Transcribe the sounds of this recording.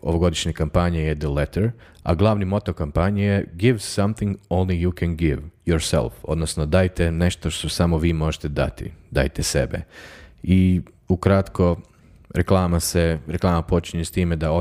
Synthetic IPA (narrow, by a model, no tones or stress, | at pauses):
o̰ʋoɡo̞d̪iʃɲekampaɲejed̪əlet̪eɾ | a̰ɡlˠaːʋnimo̞t̪okampaɲijeɡiʋsamθiŋɡõwnlijukʰɛnɡiʋjoɾsɛ̰lˠfo̞̰d̪nosnod̪aːjt̪ene̞ʃt̪o̞ʃt̪osamoʋiːmo̞ʒet̪e̞d̪a̰t̪ḭd̪a̰ːjt̪esḛbḛi | ukɾat̪ko̞ | ɾeklˠaːmaseɾeklˠaːmapo̞t͡ʃiɲest̪iːmed̪ao